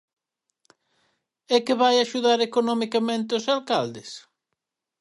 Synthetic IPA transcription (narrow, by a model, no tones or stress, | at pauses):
ɛkɪβajaʃuðaɾekonɔmikamẽnt̪ɪʊsalkald̪ɪs